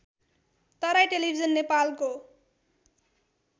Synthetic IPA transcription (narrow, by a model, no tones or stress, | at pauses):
t̪ʌɾajʈelibʱizʌnːepalko